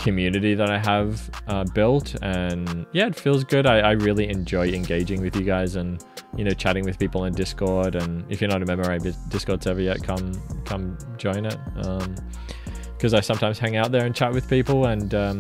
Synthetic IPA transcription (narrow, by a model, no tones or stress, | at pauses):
kʰɨmjʉnɨɾiðəɾaɪəvʌbɪlˠtɨ̃njæɨtfilˠzɡʊɾaɪaɪɹɪlˠiɨ̃nd͡ʒɔɪɨ̃nɡeɪd͡ʒɪ̃ŋwɨðjɨɡaɪzɨ̃n | jɨnoʊt͡ʃʰæɾɪ̃ŋwɨð̥pipl̩ˠə̃ndɪskɔɹɾɨ̃nɨfjɨɾõʊnt̚ɹɨmɛ̃mbə˞ãbɪd̥ɪskɔɹdzɛvə˞jɛt̚kʰʌ̃mkʰʌ̃m | d͡ʒɔ̃ɪ̃nɪt̚ʌ̃m | kʰʌzaɪsʌ̃mtʰãɪ̃mz̥hæ̃ŋaʊt̪̚ðə˞ɨ̃nt͡ʃʰæʔ̚wɨð̥pipl̩ˠə̃nʌ̃